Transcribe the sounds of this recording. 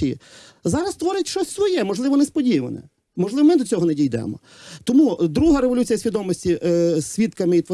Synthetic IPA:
iji | zɑɾɐst̪ʋɔɾɪtʲʃt͡ʃɔsʲsʋɔjɛmɔʒlˠɪʋɔnɛspɔdʲiʋɐ̰nɛ̰ | mɔʒlˠɪʋɔmɪd̪ɔt͡sʲɔɦɔnɛdʲijd̪ɛ̰mɔ̰ | t̪ɔmud̪ɾuɦɐɾeʋɔlʲut͡sʲijɐsʲʋʲid̪ɔmɔsʲtʲisʲʋʲit̪kɐmɪit̪ʋɔ

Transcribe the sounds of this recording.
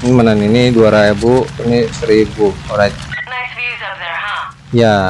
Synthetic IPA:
nmananiniduaɾaebuinisəɾibuoɾaɲ | ja

